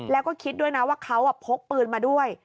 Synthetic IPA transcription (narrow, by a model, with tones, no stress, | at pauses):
lɛː˦˥wkɔː˥˩kʰi˦˥t̪̚du˥˩əjna˦˥waː˥˩kʰa˦˥wʔa˨˩pʰo˦˥k̚pɯː˨˩nmaː˧du˥˩əj